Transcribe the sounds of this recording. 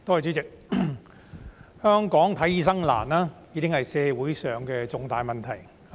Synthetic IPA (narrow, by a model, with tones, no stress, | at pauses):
t̪o˥whɐ˨jt͡ʃyː˨˥t͡sɪ˨k̚ | hœː˥ŋkɔː˨˥ŋt̪ʰɐ˨˥jiː˨˧sɐ˥ŋla̰ː˨˩naː˥jiː˨˥kɪ˥ŋhɐ˨jsɛː˧wuː˨˥jsœː˨˩ŋkɛː˧t͡sʊ˧ŋt̪aː˨jmɐ˨nt̪ʰɐ˨˩j